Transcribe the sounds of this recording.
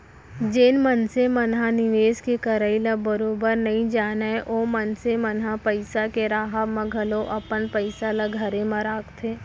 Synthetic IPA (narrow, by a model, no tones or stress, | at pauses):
d͡ʒeːnmənsemɐnɦanɪʋeːskekɐɾəilabəɾoːbəɾnɐɦĩd͡ʒaːnaeʔoːmɐnsemɐnɦapəɪsakeɾaːɦaʋmɐ̃ɡʱəloʔɐpənpəɪsalaɡʱɐɾẽmaɾaːkt̪ʰeː